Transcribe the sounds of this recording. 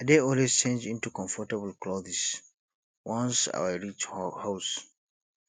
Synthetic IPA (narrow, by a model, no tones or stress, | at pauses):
ədeɔlwezt͡ʃẽnd͡ʒĩntukɔ̃ɱfɔtabl̩klɔθɛs | wɔ̃nsa̰wəɹit͡ʃhas